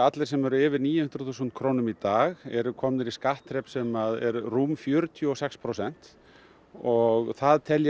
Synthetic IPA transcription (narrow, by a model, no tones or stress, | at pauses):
at̪lɛɾ̥sɛmɛɾʏɪːvɪɾniːjhʏnt̪ɾʏ̥θuːs̬unt̪̚kʰɾoːwnʏmit̪aːɣɛɾʏkʰɔmnɪɾiskaht̪ɾɛpsɛmaðɛɾrumfjœːɾʏt̪ʰjʏɔsɛkspʰɾowsɛn̥t̪ | ɔɣθaðt̪ʰɛlj